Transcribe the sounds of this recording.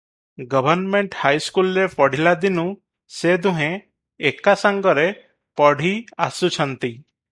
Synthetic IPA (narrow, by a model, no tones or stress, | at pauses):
ɡɔbʱɔɾnmeɳʈhajskulɾepɔɽ̤ilad̪inũ | sed̪ũɦẽː | kasaŋɡɔɾe | pɔɽ̤ʱia̰sut͡ʃʰɔnt̪i